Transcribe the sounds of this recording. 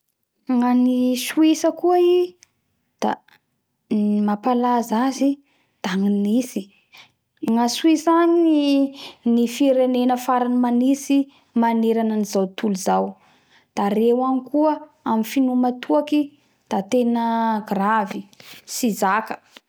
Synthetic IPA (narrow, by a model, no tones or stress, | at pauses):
ŋanisuisəkuəi | d̪̥a | mapalazazi | d̪̥aŋinisi | ŋasuisanii | nifiɾenenəfaɾanimanisi | maneɾanənizawt̪uluzaw | d̪̥arewanikuə | amifinumat̪ʰuaki | d̪̥at̪enəɡravisizakə̥